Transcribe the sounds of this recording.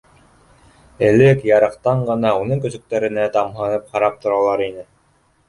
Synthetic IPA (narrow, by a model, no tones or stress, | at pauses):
ɘ̆lɘkjɑɾɤ̆qt̪ɑɴɢɤ̆nɑunɤŋkɵ̆sɵ̆k̚t̪æɾɘ̆næt̪ɑmɦɤ̆nɤp̚χɑɾɑp̚t̪ŏɾɑlˠɑɾinɘ